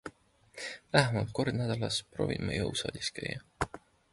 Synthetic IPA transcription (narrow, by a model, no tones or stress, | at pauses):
læɦemɑlt̪̚ko̞rd̪næd̪̥ɑlɑsproːvimɑ̰jɤ̰wsɑ̰ːd̪ʲiskæ̰jːɑ